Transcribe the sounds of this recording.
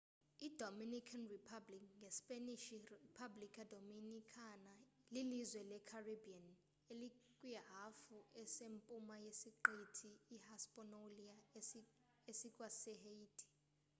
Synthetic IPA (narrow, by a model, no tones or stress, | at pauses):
idʱominikʰanripʰablikŋɡʱɛspʼeniʃiripʰablikʰʼadʱominikʰanalilizwɛlɛkʰaribian | elikʼwijaɦafuɛsempʼumajesiǃitʰiːhaspʼɔnolia | esikʼwasɛɦeitʰʼi̥